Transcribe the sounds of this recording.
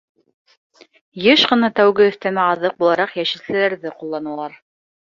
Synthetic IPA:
jɤʃqɤ̆nɑt̪æwɡɘɵ̆θt̪æmæɑðɤq̚bulˠɑɾɑqjæʃɘ̆slɘ̆læɾðɘqulˠːɑnɤlˠɑɾ

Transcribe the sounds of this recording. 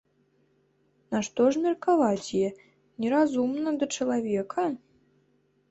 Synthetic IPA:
naʂt̪ɔʐmʲɛrkavat͡sʲjɛ | nʲɛɾazumnɐd̪ɐt͡ʂɐlˠavʲɛkʰɐ

